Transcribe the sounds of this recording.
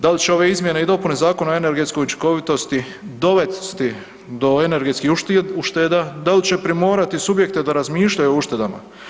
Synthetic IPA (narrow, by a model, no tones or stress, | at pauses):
d̪alit͡ɕeo̞ʋe̞izmje̞ne̞id̪o̞pune̞zaːko̞naoe̞ne̞ɾɡet̪sko̞jut͡ʃi̥ko̞ʋit̪o̞st̪i | d̪o̞ʋe̞t̪st̪i | d̪o̞e̞ne̞ɾɡe̞t̪skihuuʃt̪ed̪ad̪alt͡ɕe̞pɾimo̞ːɾat̪isubje̞k̚t̪e̞d̪aɾazmiːʃʎajuouʃt̪e̞d̪ama̰